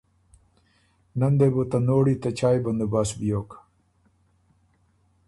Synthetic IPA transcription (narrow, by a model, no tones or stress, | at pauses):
nɐnd̪ebot̪anoːɽiːt̪ɐt͡ɕʰaːjbɐnd̪ubaːsbijoːk